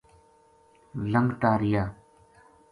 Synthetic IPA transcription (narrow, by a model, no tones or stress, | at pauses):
ləŋɡt̪aːɾɪjaː